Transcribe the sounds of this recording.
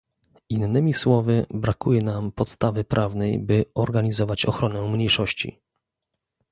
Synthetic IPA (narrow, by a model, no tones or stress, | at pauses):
inːɘmʲiswɔvɘbɾakujɛnampɔt̪st̪avɘpɾʔavnɛjbɘɔɾɡaɲizɔvat͡ɕɔ̰xɾɔnɛmɲejʂɔɕt͡ɕḭ